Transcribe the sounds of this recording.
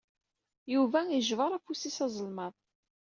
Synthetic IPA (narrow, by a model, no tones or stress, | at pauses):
juvæjəʒvəɾˤæfusisɑzˤəlmɑðˤ